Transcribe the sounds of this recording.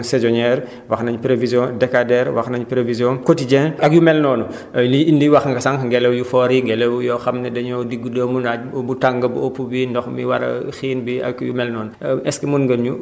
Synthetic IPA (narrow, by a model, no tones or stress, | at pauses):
sɛd͡ʒɔɲɛɾ | wɐxnɐɲpɾevizjɔ̃dɛkadɛɾwɐ̰xnɐɲpɾevizjɔ̃kotiɟɛ̃nɐk̚jumɛlnɔːnu | liindiwɐxŋɡɐsaŋkŋɡɛlɛwjufɔːɾiŋɡɛlɛwjɔxɐmnɐdɐɲɔdiɡːudəːmuna | butaŋɡɐbuopːubindɔxmiwɐ̰ɾɐ̰xiːnbiɐ̰kːjumɛlnɔːnuɛskimunɡɐnɲu